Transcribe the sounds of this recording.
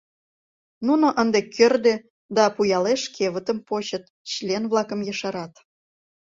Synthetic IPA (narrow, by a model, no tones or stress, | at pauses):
nunŏʔənd̪ekʰørd̪e | d̪ɑpujɑleʃkʰeβət̪ə̆mpot͡ɕə̆t̪̚ | ɕlʲenvlˠɑkə̆mjə̆ʃɑɾɑt̪